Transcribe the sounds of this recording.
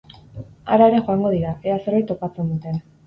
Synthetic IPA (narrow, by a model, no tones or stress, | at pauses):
a̰ɾaeɾe̞xo̞aŋɡo̞ð̞iɾaease̞ɾβajt̪o̞pat͡se̞nd̪ut̪e̞n